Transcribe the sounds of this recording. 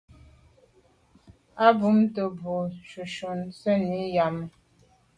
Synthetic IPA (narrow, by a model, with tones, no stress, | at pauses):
a˦bu˨˦mtə˨bo˨ʃu˨ʃo˨nsə˦ni˨˦ja˨mə˨